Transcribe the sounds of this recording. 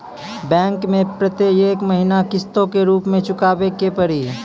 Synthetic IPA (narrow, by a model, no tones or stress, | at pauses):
bɛ̃ːŋkmẽpɾət̪ejeːkməɦinakɪst̪õkeɾuːpmẽt͡ʃʊkaːbekepəɾi